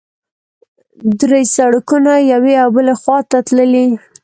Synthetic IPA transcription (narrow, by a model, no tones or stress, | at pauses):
d̪ɾejsaɽakunajaweawbəlaxwɑt̪at̪ləli